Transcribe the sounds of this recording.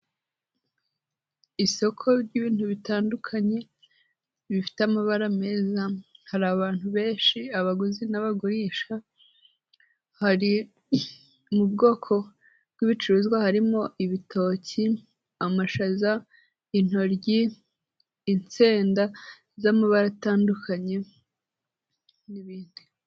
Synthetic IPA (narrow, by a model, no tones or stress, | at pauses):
iso̞kʰo̞ɾɟiːβiːnhuβitaːndukʰaɲe̞ | βifi̥teamaβaɾame̞ːzahaɾaβaːn̥huβe̞ːnʃiaβaɡuzinaβaɡuɾiʃa | haɾi | mubɡo̞ːkʰo̞ | bɡiβit͡ʃuɾuzɡwahaɾimo̞ʔiβitʰo̞ːci | amaʃaza | in̥ho̞ɾɟiː | nt͡seːnda | zamaβaɾataːndukʰaɲe̞ | niβiːnd̥i